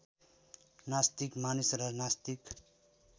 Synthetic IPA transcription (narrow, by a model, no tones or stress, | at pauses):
nast̪ikmanisrʌnast̪ik